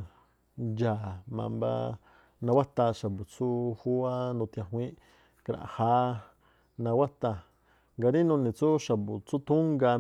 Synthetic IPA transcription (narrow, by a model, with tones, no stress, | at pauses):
ja˨mã̰˧mba̰˧ | nã˧wa˦t̪a˧ʃa˨bu˨t͡su˦hu˦a˦nũ˧t̪jã˧ɦw̃ʷĩ˦ʔ | ka˧ɾã̰˨ha˦ | nã˧wa˦t̪a˧ | ŋɡa˧ɾi˦nũ˧nĩ˨t͡su˦ʃa˨bu˨t͡su˦t̪u˦ŋɡa˧